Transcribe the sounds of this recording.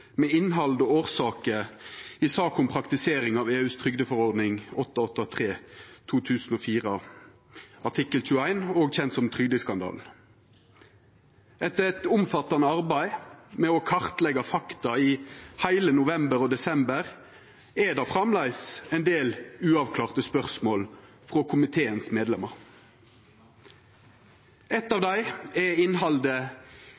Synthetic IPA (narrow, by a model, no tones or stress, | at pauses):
mɛɪnɦɑld̪ɔoːʁsɑːkəɪsɑːkʊmpʰʁɑkt̪ɪseːɾɪŋɑːʋeːʉːst̪ʰʁʏɡd̪əfɔʁɔʁd̪nɪŋɔt̪ːɑɔt̪ːɑt̪ʰʁeːt̪ʰuːt̪ʰʉːsn̩oːfiːʁə | ɑʈʰɪkəlçʉəæɪnoːɡçɛnt̪sɔmt̪ʰʁʏɡd̪əskɑnd̪ɑ̰ːl | ɛt̪ːəɛt̪ʊmfɑt̪ɑnəɑʁbæɪmɛɔkʰɑʁt̪lɛɡɑfɑkt̪ɑiːhæɪlənʊʋɛmbəʁoːd̪ɛsɛmbəʁ | ɛd̪ɑfʁɑmlæɪsɛɪnd̪eːlʉːɑʋkʰlɑːʁt̪əspœʁsmoːl | fʁoːkʰʊmɪt̪ʰeːənsmeːd̪lɛməʁ | ɛt̪ːɑːʋd̪æɪɛɪnɦɑld̪ə